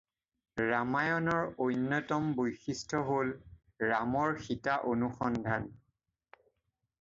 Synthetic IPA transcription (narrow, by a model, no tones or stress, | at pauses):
ɹamajɔnɔɹojnːɔtɔmbojxistʰɔɦol | ɹamɔɹxitaʔonuxɔndʱan